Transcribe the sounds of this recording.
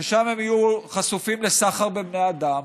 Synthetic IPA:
eʃamhemijuχasufimlesaχaʁbebnead̪am

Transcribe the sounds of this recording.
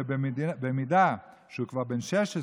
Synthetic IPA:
emed̪ibemid̪a | ʃeukvaʁbenʃɛʃe

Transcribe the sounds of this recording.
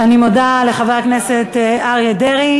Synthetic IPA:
animodale̞χavakneset̪eaʁjedeʁi

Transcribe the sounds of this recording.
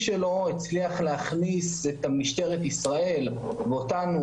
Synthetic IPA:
ʃelo̞it͡sliaχleaχniset̪amiʃt̪e̞ʁetisʁae̞l | veotanu

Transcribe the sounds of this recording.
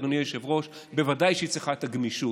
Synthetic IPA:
donijoʃevʁo̞ʃ | bevad̪ajʃeit͡sliχaet̪aɡmiʃu

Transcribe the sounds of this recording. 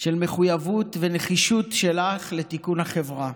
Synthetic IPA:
ʃe̞lme̞χujavutveneχiʃutʃe̞laχlet̪ikunhaχe̞vʁa

